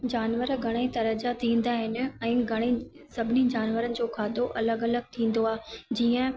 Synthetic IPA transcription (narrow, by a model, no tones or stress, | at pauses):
d͡ʑaːnʋəɾɡʱɐɽ̃ait̪ɐɾəd͡ʑat̪ʰĩːn̆d̪aɦɪnɪ̆ɛ̃ːɡʱɐɽ̃e | sɐbʱɪnid͡ʑaːnʋəɾənɪ̆d͡ʑoːkʰaːd̪oʔɐləɡɐləɡ̚t̪ʰĩːn̆d̪oaːd͡ʑiːə̃